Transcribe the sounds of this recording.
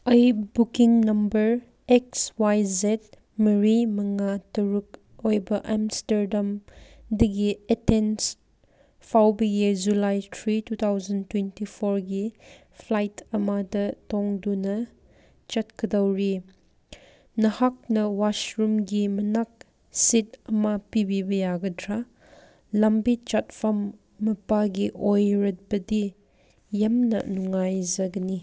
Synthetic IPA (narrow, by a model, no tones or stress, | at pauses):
ɐjbukiŋnɐmbɐɾ | ekswajzet̚ | mɐɾimɐŋatɐɾuk̚ | ojbɐʔamsteɾdam | dɐɡietens | pʰawbɐjid͡ʒulajtʰɾitut̪ʰawzɐntwentipʰoɾɡi | pʰlajtɐmadɐtɔŋdunɐ | t͡ʃɐt̚kɐdɐwɾi | nɐhak̚nɐwasɾumɡimɐnak̚ | sit̚ɐmapibibɐjaɡɐdɾa | lambit͡ʃat̚fʰɐmː | ɐpaɡiʔojɾɐt̚bɐdi | jɐmnɐ̰nuŋːajzɐɡɐni